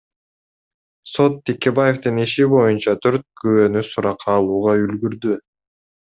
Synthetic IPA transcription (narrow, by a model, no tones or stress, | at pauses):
so̞t̪ːʰikʲe̞baje̞ft̪ɯniʃibo̞junt͡ʃɑt̪ʰø̞ɾt̪̚køønysuɾɑqʰɑːlˠuːʁɑylɡyɾd̪y